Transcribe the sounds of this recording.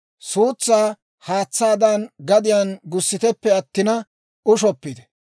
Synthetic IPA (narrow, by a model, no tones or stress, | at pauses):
suːt͡sːaː | haːt͡sːaːd̪ɐnɡɐd̪ɪjaːnɡʊsːɪt̪ɛpːɛɐt̪ːɪnɐ | ʊʃɔpːɪd̪ɛ̥